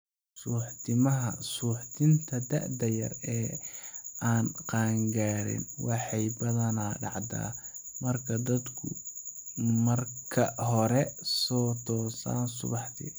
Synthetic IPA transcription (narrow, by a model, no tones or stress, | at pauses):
suːħt̪ʰɪmɐɦɐsuːħt̪ʰɪnt̪ʰɐd̪ɐʕd̪ɐjɐ̰rɛː | aːnqɑːŋɡaːɾɪ̰nwɑħɑjbɐðɐnaːɖɑ̰ʕd̪a̰ːmɐrkʰɐd̪ɐd̪kʰʊ̰ | mɐrkʰɐɦɔɾɛsɔːt̪ʰɔːsa̰ːnsʊ̰βɑħt̪ɪ̰